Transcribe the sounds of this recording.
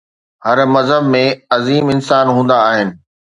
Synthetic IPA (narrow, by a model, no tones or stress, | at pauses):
hɐɾmɐzɦəbmẽɐziːmɪnsaːnɦũːn̆d̪aːɦɪnɪ̆